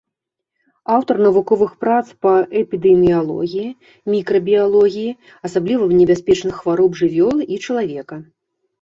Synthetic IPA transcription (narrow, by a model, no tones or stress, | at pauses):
awt̪ɐrnɐvukɔvɨxpɾat̪spɐʔɛpʲid̪ɛmʲijalˠɔ̰ɣʲiji | mʲikɾɐbʲijalˠɔɣʲiji | ɐsablʲivɐnʲɛbʲasʲpʲɛt͡ʂnɨxːvaɾɔbʐɨvʲɔlˠit͡ʂɐlˠavʲɛkɐ